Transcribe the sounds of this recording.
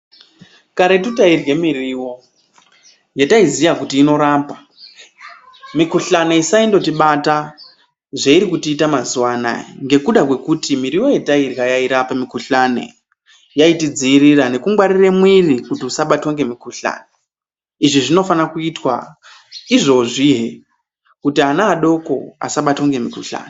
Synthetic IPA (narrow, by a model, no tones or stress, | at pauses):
kaɾet̬utairwe̞miriwo̞ | je̞taizijakutiːno̞ɾampa | mikuɬaneisaindo̞tiɓata | ʐeiɾikutiːtamazuwana̰ŋɡe̞kuɗakwe̞kutimiɾiwo̞je̞tairɣajaiɾapamikuɬanḛ | jaitid͡ziːrirane̞kuŋɡwaɾiremwirikutiusaɓatwaŋɡe̞mikuɬa̰ːne | iʐiʐino̞fanakuitwa | iʐo̞ʐiɦe | kutianaːɗo̞ko̞̰a̰saɓatwaŋɡe̞mikuɬa̰ːne